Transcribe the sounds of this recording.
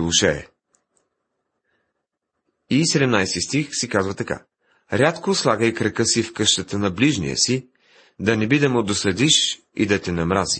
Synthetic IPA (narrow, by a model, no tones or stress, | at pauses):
lˠuʃɛ̰ | isɛd̪ɛmnajst̪ist̪ixsikazvət̪ɐka̰ | ɾʲat̪koslˠaɡəjkɾəkəsifkɤʃt̪ət̪ənɐbliʒnḭjə̰si | d̪ɐnɛbid̪ɐmʊd̪osɐd̪iʃ | ḭd̪ɐt̪ɛnɐmɾazi